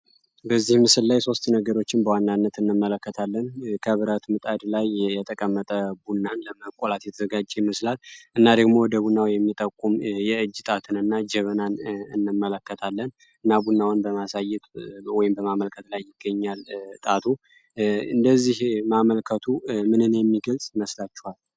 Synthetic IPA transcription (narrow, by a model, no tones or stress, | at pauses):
bəzːihmɨsɨlːajso̞st̪nəɡəɾo̞t͡ʃːɪnbəwanːanːət̪ɨnːɨmːələkːət̪ʰalːənkʰəβɨɾət̪mɨt̪ʼad̪lajjɛt̪ʼəkʼəmːət̪ʼəbunːanləməkʼolat̪jɛt̪ʰəzəɡad͡ʒemɨslat̪ʔɨnːad̪əɡmo̞wɔd̪əbunːawjɛmːit̪ʼəkʼumjɛɨd͡ʒːt̪ʼat̪ʰɨnɨnːad͡ʒɛβənanɨnːɨmːələkːət̪ʰalːən | ɨnːabunːawnbəmasajɛt̪wɔjɪmbəmaməlkʰət̪lajːɪɡ̥ːəɲːalt̪ʼat̪ʰu | ɨnd̪əzːihmaməlkʰət̪ʰumɨnɨnjɛmːiɡəlsʼməslat͡ʃːɛhal